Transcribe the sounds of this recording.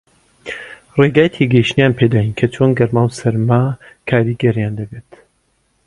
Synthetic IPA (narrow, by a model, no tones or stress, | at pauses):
reɡaːjɛt̪ʰiɡɐiʃt̪nijaːnpʰed̪aːjinkʰɐt͡ʃʰoːnɡɐɾmaːwsɐɾma | kʰaːɾiːɡɐɾijand̪ɐbeːt̪